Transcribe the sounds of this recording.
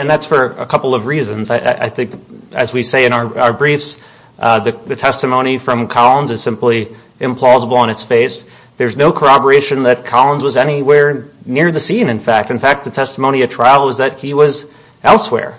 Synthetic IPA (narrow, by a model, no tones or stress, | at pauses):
ɨ̃nðætsfə˞ə̰kʰʌpl̩ˠʌvɹizɨ̃nzaɪʔa̰ɪʔa̰ɪθɪ̃ŋkɨzwi̥seɪɨ̃ñaʊə˞aʊə˞bɹifs | ðɨðɨtʰɛstɨmõʊ̃ɾ̃nifɹʌ̃mkʰɑlˠə̃nzɨz̥sɪ̃mpli | ʔɨ̃mpʰl̥ɔzəbl̩ˠə̃ñɨtsfeɪs | ðə˞znoʊkʰə˞ɑbə˞eɪʃɨ̃nðɨt̚kʰɑlˠə̃nzwʌzɛñiwɛɹnɪɹðɨsĩnɨ̃nfæk̚tɨ̃nfæk̚t̪̚ðɨtʰɛstəmõʊ̃niɨtʰɹ̥aɪl̩ˠwʌzðɨt̚hiwʌz | ɛlˠswɛ̰ɹ